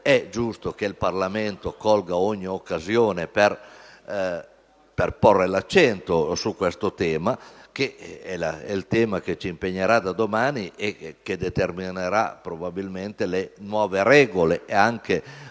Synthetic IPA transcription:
ɛd͡ʒust̪okeilparlament̪okɔlɡaoɲːiokːazjoːneper | perporːelat͡ʃːɛnt̪osukːwest̪ot̪ɛːmakeɛlaɛlt̪ɛːmak̟et͡ʃiːmpeɲːeɾad̪ad̪omaːniʔekːed̪et̪ermineɾa̰pɾobabilment̪elenwɔːveɾɛːɡoleʔeaŋke

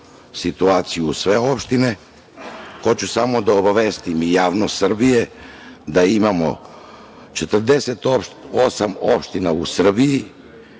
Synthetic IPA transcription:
sit̪uaːt̪sijusʋe̞o̞pʃt̪ine | kot͡ɕusamo̞d̪aobaʋest̪imijaːʋnost̪sr̩bije̞d̪aimamo̞̰ | t͡ʃet̪r̩d̪e̞set̪osamo̰pʃt̪inausr̩biji

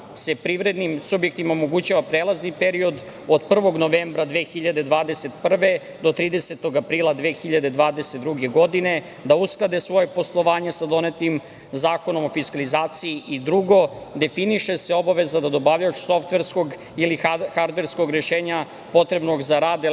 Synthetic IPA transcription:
se̞pɾiʋɾe̞d̪nimsubje̞k̚t̪imaomo̞ɡut͡ɕaʋapɾeːlˠaznipeɾio̞d̪ | o̞d̪pr̩ʋo̞ɡno̞ʋeːmbɾad̪ʋexiʎad̪e̞d̪ʋaːd̪e̞se̞t̪pr̩ʋe̞ | d̪o̞t̪ɾiːd̪e̞set̪o̞ɡapɾiːlˠad̪ʋeːxiʎad̪e̞d̪ʋaːd̪e̞set̪d̪ɾuɡe̞ɡo̞d̪ine̞ | d̪ausklˠad̪esʋo̞jepo̞slˠo̞ʋaːɲesad̪o̞net̪im | zaːko̞no̞mo̞fiskalizaːt̪siːʔid̪ɾuɡo̞d̪e̞finiʃeseo̞baʋe̞zad̪ad̪o̞baʋʎaut͡ʃso̞ft̪ʋeɾsko̞ɡ | ilixaɾd̪ʋe̞ɾsko̞ɡɾeʃe̞ːɲa | po̞t̪ɾe̞bno̞ɡzaɾaːd̪e

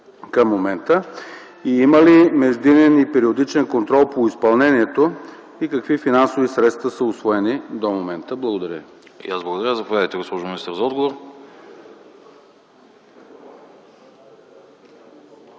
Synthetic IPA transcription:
kəmːomɛnt̪ə | iiməlimɛʒd̪inɛnipɛɾiod̪it͡ʃɛnkont̪ɾɔlˠpoispɐlˠnɛniɛt̪o | ikəkvifinansovisɾɛt̪st̪vəsəʊsvɔɛnid̪omomɛnt̪əblˠəɡod̪ɐɾʲə̰ | jazblˠəɡod̪ɐɾʲjʲəzɐpovad̪əjt̪ɛɡospɔʒʊminist̪əɾzɐɔd̪ɡovoɾ

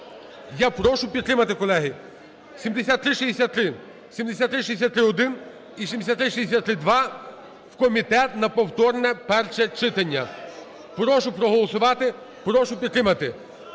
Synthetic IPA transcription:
japɾɔʃʊpʲid̪t̪ɾɪmɐt̪ɪkɔlˠɛɦi | sʲimd̪esʲat̪ːɾɪʃizd̪ʲesʲat̪ːɾɪ | sʲimd̪esʲat̪ːɾɪʃ̬iesʲat̪ːɾɪɔd̪ɪn | isʲimd̪esʲat̪t̪ːɾɪʃizd̪esʲat̪ːɾɪd̪ʋɑ | wkɔmʲit̪ɛt̪nɐpɔwt̪ɔrnɛpɛrʃɛt͡ʃɪt̪ɐnʲːɐ | pɾɔʃʊpɾɔɦɔlˠɔsʊʋɑt̪ɪ | pɾɔʃʊpʲid̪̚t̪ɾɪmɐt̪ɪ

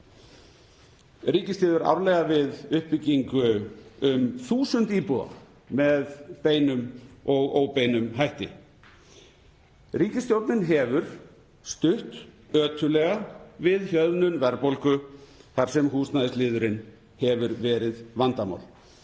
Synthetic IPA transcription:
ɾiːcɪst̪ɪːðʏɾa̰wɾlɛɣavɪðʏhpɪcːiŋkʏʏmθuːsʏnt̪iːpua̰ | mɛðpeːjnʏmɔɣoːwpejnʏmɦajht̪ɪ̰ | riːcɪst̪jowɾt̪nɪnɦɛvʏɾ̥ | st̪ʏht̪ | œːt̪ʰʏlɛɣavɪðçjœðnʏnvɛɾpolkʏθaɾ̥sɛmɦuːsnaðɪslɪːðʏɾɪn | hɛvʏɾvɛːɾɪðvant̪ama̰wl

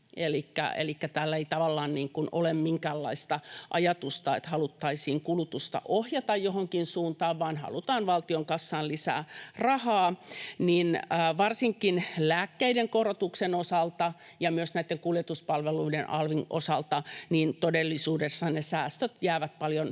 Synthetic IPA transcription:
elikːæ̰ḛlikːæt̪æːlːeit̪ɑʋɑlːɑːnniːŋkunʔo̰lemmiŋkæːlːɑ̰ist̪ɑʔɑjɑt̪ust̪ɑḛt̪hɑlut̪ːɑisiːŋkulut̪ust̪ɑ̰ʔohjɑt̪ɑjjohoŋkinsuːnt̪ɑːʋʋɑːnhɑ̰lut̪ɑːnʋɑlt̪ioŋkɑsːɑːnlisæ̰ːrɑhɑːniːnːʋɑrsiŋkinlæːkːeideŋkorot̪uksenosɑlt̪ɑ | jɑmyøsnæit̪ːeŋkuljet̪uspɑlʋeluidenʔɑ̰lʋino̰sɑlt̪ɑniːnt̪odelːisuːdesːɑnesæːst̪øt̪jæːʋæt̪̚pɑljon

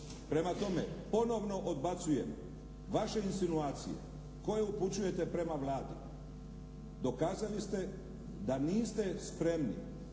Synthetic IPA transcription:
pɾe̞mat̪o̞me̞po̞no̞ʋno̞ʔod̪bat̪suje̞m | ʋaʃe̞insinuaːt̪sḭje̞̰ | ko̞je̞uput͡ɕuje̞t̪e̞pɾe̞maʋlaːd̪i | d̪o̞kaːzalist̪e̞ | d̪aniːst̪e̞spɾe̞mnḭ

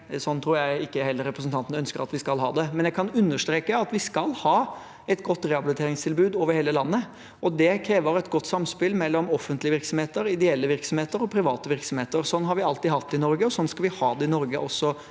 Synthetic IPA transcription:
sɔnːt̪ʰɾuːɾjæɪɪkːəhɛlːəɾɛpɾəsn̩t̪ɑnt̪nəœnskəɾɑ̰t̪ʋɪskɑlhɑ̰ːd̪ɛmɛnjæɪkʰɑnʉnːəʂt̪ɾeːkəɑt̪ʋɪskɑlhɑː | ɛt̪ɡɔt̪ːɾɛɑbɪlɪt̪ʰeːɾɪŋst̪ʰɪlbʉːd̪oːʋəɾheːləlɑnːə | ɔd̪ɛkʰɾeːʋəɾɛt̪ɡɔt̪ːsɑmspɪlmɛlːɔmɔfːənt̪lɪəʋɪɾksɔmheːt̪əɾɪd̪ɛɛlːəʋɪɾksɔmheːt̪əɾɔpʰɾɪʋɑːt̪əʋɪɾksɔmheːt̪əɾsɔnːɦɑɾʋɪɑlt̪iːhɑt̪ːɪnɔɾɡəɔsɔnːskɑlʋɪhɑːd̪ɛɪnɔɾɡəʔɔsːɔ

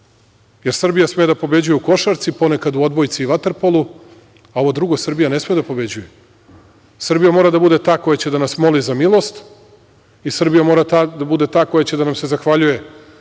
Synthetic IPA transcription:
je̞ɾsr̩bijasmejed̪apo̞be̞d͡ʑujeuko̞ʃaɾt̪sipo̞ne̞kad̪uo̞d̪bo̞jt̪siːʋat̪eɾpolˠu | ao̞ʋod̪ɾuɡo̞sr̩bijane̞smijed̪apo̞be̞d͡ʑuje | sr̩bijamoɾad̪abud̪e̞t̪aːko̞jat͡ɕed̪anasmo̞lizamilˠo̞st̪ | isr̩bijamo̞ːɾat̪ad̪abud̪e̞t̪aːko̞jat͡ɕed̪anamse̞zaxʋaʎuje̞

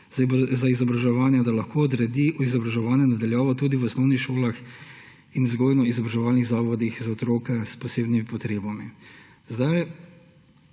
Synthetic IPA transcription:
zaizɔbɾaʒɛʋaːnjɛd̪alɐxkoːɔd̪ɾɛd̪iuizɔbɾaʒɛʋaːnjɛnad̪aljaːʋɔt̪uːd̪iʋɔsnɔwnixʃoːlax | inzɡɔːjnɔizɔbɾaʒɛʋaːlniɣzaːʋɔd̪ixzaɔt̪ɾoːkɛspɔseːbnimipɔt̪ɾeːbami | zd̪aj

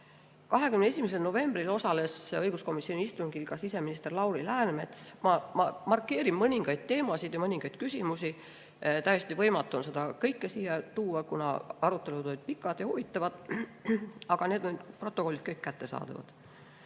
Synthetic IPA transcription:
kɑɦekymnee̞sʲimes̬e̞lno̞ve̞mbrilo̞sɑle̞sɤjɡ̥usko̞misːio̞niist̪unkilɡ̥ɑsise̞minist̪e̞rlɑwɾilæːnme̞t̪smɑmɑmɑrkːˑe̞ːɾimːɤnʲiŋɡ̥ɑjd̪̥̚t̪e̞ːmɑsid̪̥jɑmɤniŋɡ̥ɑjd̪̥̚kysʲimusi | t̪æjːest̪ivɤjmɑt̪ːˑuonse̞d̪ɑkɤjkːesiːjɑt̪uːɑkunɑ̰ɑɾut̪ːˑe̞lut̪ojʲd̪̥̚pikːˑɑd̪̥jɑhuvit̪ːˑɑvɑd̪̥ | ɑɡ̥ɑne̞ːd̪onyd̪pro̞t̪ːˑo̞ko̞lːit̪̚kɤjkkːæt̪ːe̞sɑ̰ːd̪̥ɑ̰vɑ̰d̪̥

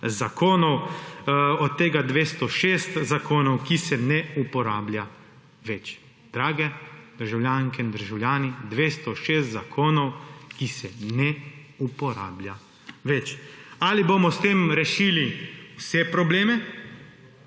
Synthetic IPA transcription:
zakʰoːnɔw | ɔt̪ːeːɡad̪ʋeːst̪ɔʃeːst̪zakoːnɔwkisɛnɛupɔɾaːblja | ʋɛt͡ʃ | d̪̥ɾaːɡɛd̪̥əɾʒawljaːŋkɛind̪əɾʒawlʲjaːnid̪ʋeːst̪ɔʃeːst̪zakʰoːnɔwkisɛnɛ | upɔɾa̰ːblʲja | ʋɛt͡ʃaliboːmɔst̪eːmɾɛʃiːliwsɛpɾɔbleːmɛ

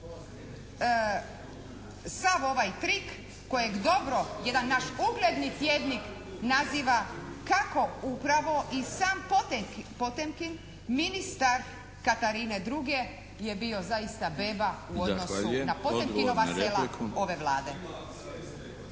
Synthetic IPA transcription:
saʋo̞ʋajt̪ɾikː | o̞jeɡd̪o̞bɾo̞jed̪anːaʃuɡled̪nit̪jeːd̪nik | naziːʋakako̞upɾaʋo̞ʔisaːmppo̞t̪emkin | minist̪aɾ | kat̪aɾine̞d̪ɾuɡe̞ | je̞bio̞zaist̪abe̞ːbauo̞d̪no̞sunapo̞t̪emkino̞ʋaselao̞ʋe̞ʋlaːd̪e̞

